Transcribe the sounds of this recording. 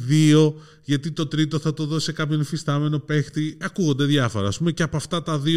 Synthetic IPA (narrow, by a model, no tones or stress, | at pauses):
ðio̞ | ʝɐt̪it̪o̞t̪ɾit̪o̞θɐt̪o̞ðo̞sekɐpço̞nifist̪ɐme̞no̞pe̞xt̪iɐkuɣond̪eðʝɐfo̞̰ɾɐ̰ːspume̞ceɐpoɐft̪ɐt̪ɐði